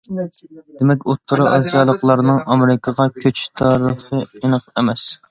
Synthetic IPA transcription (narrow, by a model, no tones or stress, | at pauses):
d̪̥ɪmɛkʲot̪ʰːɨɾɨʔɑsijɑlˠəqlˠɑɾnɨŋʔɑmeɾɪkʰɑʁɑkʲʰøt͡ʃt̪ʰɑːɾɨχɨenəqemɛs